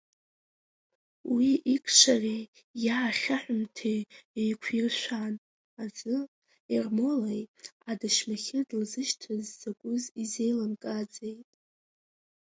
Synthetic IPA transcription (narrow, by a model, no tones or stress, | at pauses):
wiʔikʰʂʰarʲe | jaːχʲaħʷᶣʊmtʰejejkʷʰirʃʷᶣan | azɨ | irmo̞lejadaʃmaχʲɪdlzɨʃtʰɨzːakʷʼʊzize̞jlɨmkʼad͡zʼejtʼ